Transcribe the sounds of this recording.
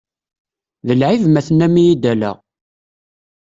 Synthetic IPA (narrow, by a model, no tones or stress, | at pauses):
ðəlʕivmæθənæmijid̪ælæ̰ʁ